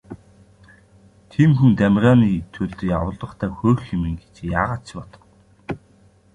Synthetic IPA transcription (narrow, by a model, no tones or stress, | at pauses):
t̪ʰiːmxunt̪æmrʲaːniːt̪ʰŭɮt̪ɘ̆jawə̆ɮə̆χt̪ʰæːxoːxemɘ̆ŋɡe̥t͡ɕjaːʁaːt̪t͡ɕpɔt̪ɞ̥̆w